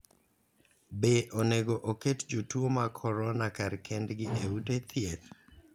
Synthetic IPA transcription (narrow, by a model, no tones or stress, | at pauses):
beʔoneɡoʔoketd͡ʒotuomakʰɔɾɔnakaɾkʰɛndɡɪʔeutet̪ʰiet̪